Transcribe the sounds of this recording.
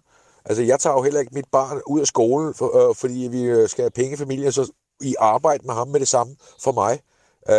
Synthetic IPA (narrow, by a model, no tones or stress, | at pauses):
ʔælsəjɑ̈ɪt͡sʰɑ̰̈ːjoɦel̰ɐe̝ɡ̥̚mid̥̚b̥ɑ̈ːnuð̰ˠæsɡ̥o̝ːln̩fɒ̽d̥ḭːʋisɡ̥ææpʰeŋəfæmil̰jənsɒ̽ | iʔɑ̈ːb̥ɑ̈ɪ̰d̥əmeɦɑ̈mːeɾ̥e̝sɑ̈mə | fɒ̽mɑ̈ɪ